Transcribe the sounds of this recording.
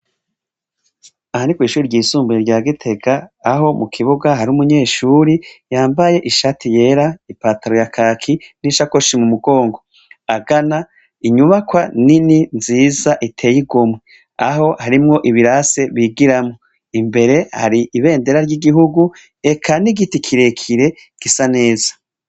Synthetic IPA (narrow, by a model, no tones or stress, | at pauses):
ahanikwiːʃuːɾiɾɟiːsuːmbuɾeɾɟaːɡitʰe̞ɡaːɦo̞mukʰiβuɡahaɾiumuɲe̞ːʃuːɾijaːmbaje̞ʔiʃatʰije̞ɾaipaːtaɾo̞jakʰakʰiniʃakoʃimumuɡo̞ːŋɡo̞ | aɡana | iɲuβakwanininziːzaʔitʰe̞ːjiɡomwe | a̰ho̞haɾimŋo̞ʔiβiɾase̞βiːɡiɾamŋo | imbe̞ɾe̞ha̰ɾiʔiβe̞ːnde̞ɾaɾjɟiɡiɦuɡu | e̞kʰaniɡitikʰiɾe̞kʰiɾe̞ | ɡ̥isane̞ːzḁ